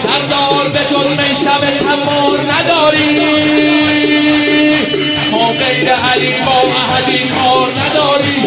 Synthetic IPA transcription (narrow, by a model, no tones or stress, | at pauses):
sæɾd̪ɒːɾbet̪oɾmejʃæbet͡ʃʰæmːoɾnæd̪ɒːɾiː | mɒːɢejɾeʔæliːbɒːʔæɦæd̪iːkʰɒːɾnæd̪ɒːɾiː